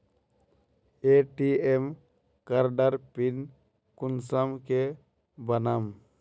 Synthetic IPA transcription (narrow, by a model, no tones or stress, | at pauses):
eʈiem | kaɾɖaɾpin | kunsamke | bənam